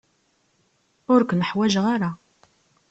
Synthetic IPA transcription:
ʊɾkʷnəħwæʒʁaɾa

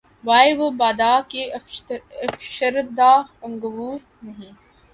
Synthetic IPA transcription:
ʋaːeʋobaːd̪aːke | ɐfʃəɾd̪aːɐ̃ŋɡəʋuːɾ | nɐɦĩː

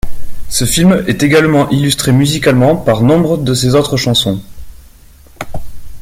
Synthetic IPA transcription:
səfilmɛt̪eɡalmɑ̃ʔilyst̪χemyzikalmɑ̃paʁnɔ̃bʁəd̪əsezot̪χəʃɑ̃sɔ̃

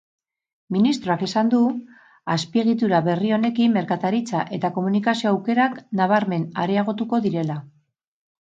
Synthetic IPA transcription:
minist̪ɾo̞akesand̪u | aspie̞ɣ̞it̪uɾaβe̞rio̞ne̞kimːe̞ɾkat̪aɾit͡saʔe̞t̪ako̞munikasio̞awke̞ɾaknaβ̞aɾme̞na̰ɾeaɣ̞o̞t̪uko̞ðiɾe̞la

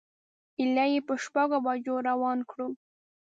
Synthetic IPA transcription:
ɪlajepəʃpaɡobɑd͡ʒoɾawɑnkɽu

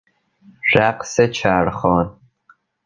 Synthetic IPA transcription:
ʒ̥aːqsɐt͡ʃʰaːrχoːn

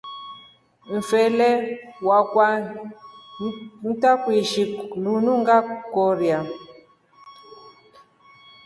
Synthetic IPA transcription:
ɱ̩fɛlɛwakwa | n̩takwiʃilunuŋɡakɔɾja

